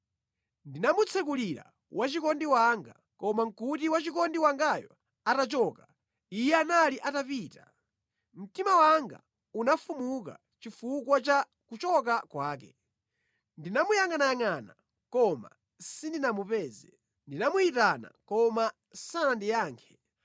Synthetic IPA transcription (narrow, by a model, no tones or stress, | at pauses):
ndinamut͡sʰɛkuliɾa̰ | wʔat͡ʃikɔndiwaŋɡa | kɔmaŋ̩kutiwat͡ʃikɔndiwaŋɡajɔ̰ | atat͡ʃɔka | ijɛanaliʔatapiːtḁ | m̩timawaŋɡa̰ | unafumuka̰ | t͡ʃifukwat͡ʃa | kut͡ʃɔk̬akwaːk̬ɛ | ndinamujaŋanajaŋana̰ | kɔma̰ | sindinamupɛːzɛ | ndinamuitana̰kɔma | sanandijaːŋkʰɛ̥